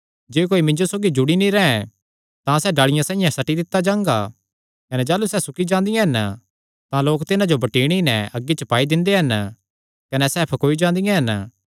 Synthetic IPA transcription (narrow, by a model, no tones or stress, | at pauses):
d͡ʒeːk̬oːimɪ̃ɲd͡ʒosoːɡid͡ʒʊɽinĩɾɛːɛ̃ | t̪ãsɛːɖaːɭɪjãsãːɪ̃jãsɐʈid̪ɪt̪ːad͡ʒãːŋɡa | kɐnɛd͡ʒaːlusɛːsʊkid͡ʒãːnd̪ɪjãɦɐn | t̪ãloːkt̪ɪnãd͡ʒobɐʈiːɽ̃inɛɐɡːit͡ʃɐpaːid̪ɪ̃nd̪eɦɐn | kɐnɛsɛːpʰkoːid͡ʒãːnd̪ɪjãɦɐn